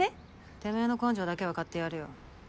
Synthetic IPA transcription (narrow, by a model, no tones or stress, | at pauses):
e | t̪e̞me̞ːno̞kõɲ̟d͡ʑo̞ːd̪ake̞βakat̪ːe̞jaɾɯ̟jo̰